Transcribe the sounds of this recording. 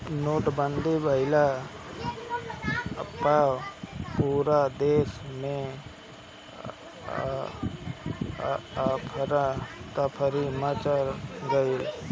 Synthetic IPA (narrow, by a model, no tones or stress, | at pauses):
noːʈbənd̪ʱibʱəɪla | paːpuːɾad̪eːsmẽ | pʰəɾat̪apʰəɾimət͡ʃəɾɡəil